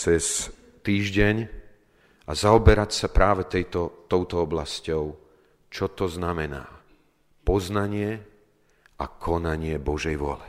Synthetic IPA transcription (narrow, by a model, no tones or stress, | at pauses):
t͡sɛs | t̪iːʒɟɛɲ | azaɔbɛɾacsapɾaːʋɛt̪ɛjt̪ɔt̪ɔʊt̪ɔɔblascɔʊ | t͡ʃɔt̪ɔznamɛna̰ː | pɔznaɲɪɛ | ʔa̰kʰɔnaɲɪɛbɔʒɛjʋʊɔ̰lɛ